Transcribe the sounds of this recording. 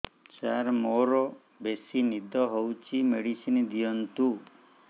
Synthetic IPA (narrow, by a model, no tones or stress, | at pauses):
t͡ʃaɾmoɾɔ | besinid̪ʱɔɦowt͡ʃʰimeɽisinid̪ijɔnt̪u